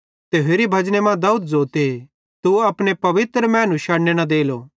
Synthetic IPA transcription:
t̪eːɦeɾibʱɐd͡ʒnemãd̪ɐuːd̪̚zoːt̪e | t̪uɐpɽ̃epɐʋɪt̪ɾmɛ̃ːnũʃaːɽnenɐd̪eːlo

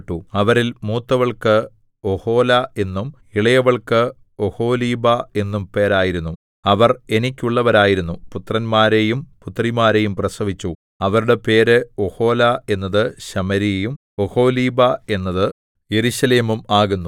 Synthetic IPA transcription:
ʈːuɐʋɐɾilmuːt̪ːɐʋɐɭkɨ | oho̞ːlɐe̞nːum | iɭɐjɐʋɐɭkɨ | oho̞ːliːbae̞nːumpe̞ːɾaːjiɾunːu | ɐʋɐre̞nikʲːuɭːɐʋɐɾaːjiɾunːuput̪rɐnmaːɾejumput̪ːrimaːɾe̞jumprɐsɐʋit͡ɕːu | ɐʋɐɾuɽe̞pe̞ːɾɨoho̞ːlae̞nːɐðɨɕɐmɐɾijejum | oho̞ːliːbɐe̞nːɐðɨ | je̞ɾuɕɐle̞ːmumaːɣunːu

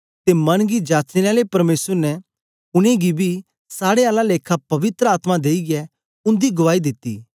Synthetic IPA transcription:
t̪emɐnɡid͡ʒaːt͡ʃɪɾaːlepɐɾmeːsəɾnɛ | ʊɽ̃ẽɡibʱi | saːɽeaːlaleːkʰapɐʋɪt̪ɾəaːt̪mãd̪eːiɡɛ | ʊ̃nd̪iɡʊʋaːid̪ɪt̪ːḭː

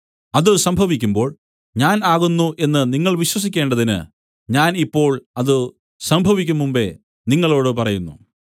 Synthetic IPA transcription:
ɐðɨsɐmbʱɐʋikʲːumbo̞ːɭ | ɲaːnaːɣunːuʔe̞nːɨniŋːɐɭʋiɕwɐs̬ikʲːe̞ːɳɖɐðinɨ̰ | ɲaːnipːo̞ːɭɐðɨ | sɐmbʱɐʋik̬ʲːumːumbe̞̰ | niŋːɐɭo̞ːɽɨpɐrɐjunːu

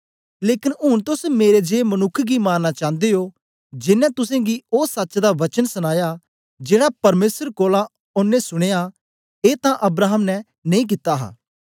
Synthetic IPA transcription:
leːkɪnʊnt̪ʊsmeːɾed͡ʒeːmɐnʊkʰːɡimaːnːat͡ʃãːnd̪eoː | d͡ʒɪnːɛ̃t̪ʊsẽɡioːsəːt͡ʃd̪aʋɐt͡ʃənsəɽ̃aːja | d͡ʒeːɽapɐɾmeːsəɾkoːlã | ʊnːẽsʊɽ̃eːa | eːt̪ãʔɐbɾaːɦəmnɛ | nɐ̃ĩːk̬ɪt̪ːaɦa̰ː

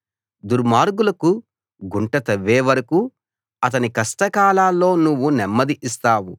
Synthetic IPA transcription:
d̪uɾmaːɾɡulɐku | ɡuɳʈɐt̪ɐʋːeːʋɐɾɐku | ɐt̪ɐnikɐsʈɐkaːlaːlːo̞ːnuʋːunɛmːɐd̪iʔist̪aːwu

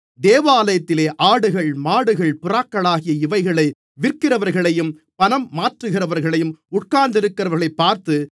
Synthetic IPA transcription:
d̪eːʋɐaːlɐjɐt̪ːɪleːʔaːɽɯɣɐɭmaːɽɯɣɐɭpʊraːkːɐɭaːɣɪjɐɪʋɐɪɣɐɭɐɪ | ʋɪrkɪrɐʋɐɾɣɐɭɐjɯm | pɐnɐmːaːʈrɯɣɪrɐʋɐɾɣɐɭɐjɯmʊʈ̚kaːɾnd̪ɪɾɯkːɪɾɐʋɐɾɣɐɭɐɪpːaːɾt̪ɯ

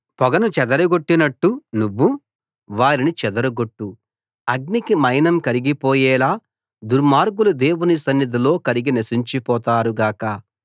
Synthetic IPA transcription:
pɔɡɐnut͡ʃɛd̪ɐɾɐɡoʈːinɐʈːunuʋːu | ʋaːɾinit͡ʃɛd̪ɐɾuɡoʈːu | ɐɡ̚nikimɐjnɐmkɐɾiɡipɔːjɛːlaː | d̪uɾmaːɾɡulud̪e̞ːwunisɐnːid̪ilo̞ːkɐɾiɡinɐsiɲt͡ʃipɔːt̪aːɾuɡaːkɐ

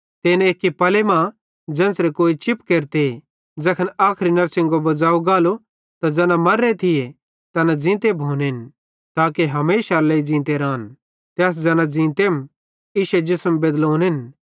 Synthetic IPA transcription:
t̪eːneeːkːipɐlemã | d͡ʒɐ̃ːnsɾekoːit͡ʃɪpkeːɾt̪e | d͡zɐkʰənaːkʰɾinɐɾsɪ̃ŋɡobɐd͡zaːuɡaːlo | t̪ad͡zɛːnãmɐɾːet̪ʰɪje | t̪ɐnad͡zĩːt̪ebʱoːnɦɪn | t̪aːkeɦɐmeːʃaleid͡ʒĩːnt̪eɾãːn | t̪ɛːs̬d͡zɛːnãd͡zĩːt̪eːm | iːʃed͡ʒɪsəmbed̪loːnɦɪn

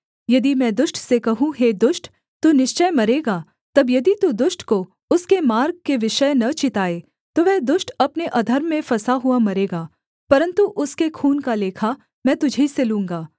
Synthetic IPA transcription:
jɐd̪imɛ̃ːd̪ʊʃʈsekɐɦũɦeːd̪ʊʃʈ | t̪uːnɪʃt͡ʃəmɐɾeːɡaː | t̪ɐbjɐd̪it̪ud̪ʊʃʈko | ʊskemaːɾɡ̚keʋɪʃəjnɐt͡ʃɪt̪aːeː | t̪oʋɛɦd̪ʊʃʈɐpneʔɐd̪ʱəɾmːẽfɐsaɦʊamɐɾeːɡaː | pɐɾə̃nt̪uʔʊskekʰuːnkaleːkʰa | mɛ̃ːt̪ʊd͡ʒʱiselũːŋ̆ɡaː

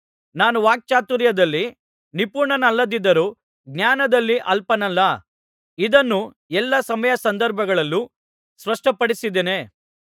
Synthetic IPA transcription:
naːnuʋaːk̚t͡ʃaːt̪uɾjɐd̪ɐlːi | nipuːɾɳɐnɐlːɐd̪id̪ːɐɾuː | ɡnaːnɐd̪ɐlːiʔɐlpɐnɐlːɐ | id̪ɐnːu | ɛlːɐsɐmɐjɐsɐnd̪ɐɾbʱɐɡɐɭɐlːu | sʋɐʂʈɐpɐɽisid̪eːne̞ː

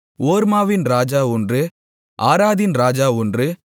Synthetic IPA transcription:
oːɾmaːʋɪnɾaːd͡ʒaːʊndrɯ | ʔaːɾaːðɪnɾaːd͡ʒaːʊndrɯ

